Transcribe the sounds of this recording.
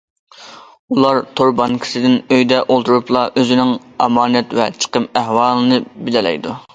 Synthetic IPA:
ulˠɑɾt̪ʰoɾbɑŋkʲʰi̥sɨd̪ɪnøjd̪ɛʔolˠt̪uɾuplˠɑʔøzɪnɪŋ | ɑmɑːnɛt̪vɛt͡ʃʰə̥qəmæhwɑːlˠɨnɨbɪlɪlɛ̰jd̪u

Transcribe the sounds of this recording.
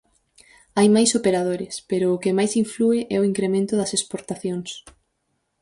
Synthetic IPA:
ajmajsopeɾað̞oɾɪspeɾʊːkemajsiɱfluɪʔɛoiŋkɾemẽnt̪ʊðɐsespoɾt̪aθjoŋs

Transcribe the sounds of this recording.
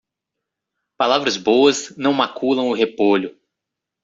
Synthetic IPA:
palavɾɐzbowɐznɐ̃w̃makʰulɐ̃w̃ʊɦepoʎʊ

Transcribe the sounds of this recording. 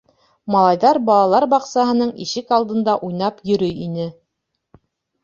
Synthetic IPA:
mɑlˠɑjðɑɾbɑlˠɑlˠɑɾbɑqsɑɦɤ̆nɤɴḭʃɘkɑlˠd̪ɤ̆nd̪ɑʔujnɑpjɵ̆ɾɵjinɘ

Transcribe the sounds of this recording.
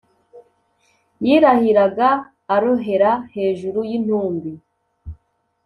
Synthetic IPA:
jiːɾahiɾaɡaː | ɾoɦe̞ɾahe̞ːʒuɾujin̥huːmbi

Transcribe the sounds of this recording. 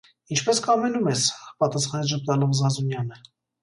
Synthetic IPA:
int͡ʃʰpɛskʰɑmɛnumɛspɑt̪ɑsχɑnɛd͡ʒəp̚t̪ɑlɔmzɑnzunjɑnə

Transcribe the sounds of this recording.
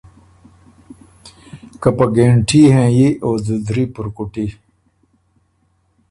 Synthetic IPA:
kɐpɐɡeːɳʈʰiːɦẽːjiʔoːzud̪ɾiːpuɾkuʈi

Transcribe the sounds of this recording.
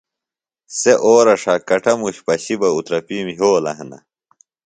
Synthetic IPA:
seʔoːɾɐʂakɐʈʰɐmuɕpɐɕibɐut̪ɾɐpimɦoːlɐ̰ɦɐnɐ̰

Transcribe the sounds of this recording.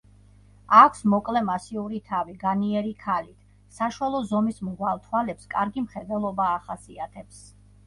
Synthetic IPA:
akʷʰsmɔkʼlɛmasiuɾit̪ʰaviɡaniɛɾikʰalit̪ʰ | saʃwalˠɔzɔmismʁwalˠt̪ʰwalɛpskʼaɾɡimχɛd̪ɛlˠɔbaːχasiat̪ʰɛps

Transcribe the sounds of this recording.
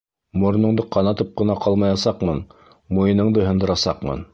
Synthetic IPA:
mŏɾnɤ̆ɴd̪ɤqɑnɑt̪ɤp̚qɤ̆nɑqɑlˠmɑjɑsɑqmɤn | mujɤ̆nɤ̆ɴd̪ɤɦɤ̆nd̪ɤ̆ɾɑsɑqmɤ̰n

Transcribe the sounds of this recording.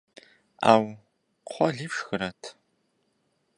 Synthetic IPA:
a̰ːw | qʷʰɔɮiːpʂxɨɾɐtʰ

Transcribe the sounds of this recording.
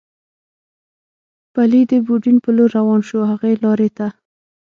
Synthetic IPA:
palid̪əbuɖinpəloɾːawɑnʃohaɣelɑɾet̪a

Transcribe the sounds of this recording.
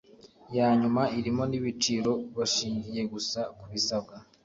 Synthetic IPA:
jaːɲumaiɾimo̞niβit͡ʃiɾo̞βaʃiːɲɟije̞ɡusakuβisab̚ɡa

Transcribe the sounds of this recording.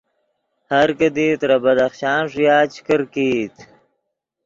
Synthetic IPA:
haɾkəd̪it̪ɾabɐd̪aχʃɑːnʂjaːt͡ɕʰkəɾkit̪

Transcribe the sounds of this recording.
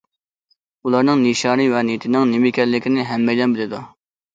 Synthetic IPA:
ulˠɑɾnɨŋniʃɑːnɨvɛnit̪ʰɪnɪŋnɪmɪkʲʰɛlːɪkʲʰinɪɦɛmːɛjd̪ɛnbɪlɪd̪u

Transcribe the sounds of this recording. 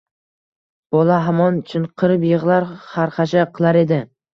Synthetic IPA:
b̥ɒlaɦamɒnʊt͡ʃʰʊnqʰɨɾɪpjɨʁlˠaɾhaɾqɑʃaqʰɨlˠaɾe̞d̪ɪ

